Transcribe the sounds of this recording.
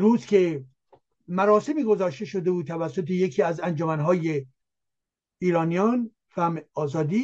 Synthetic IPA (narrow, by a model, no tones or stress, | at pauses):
ɾuːzkʰe̞ | mæɾɒːse̞miːɡo̞zɒːʃt̪e̞ʃod̪e̞buːd̪̚t̪ʰævæsːo̞t̪ʰejecʰiːæzænd͡ʒomænɦɒːje | iːɾɒːnijɒn | fæmɒːzɒːd̪iː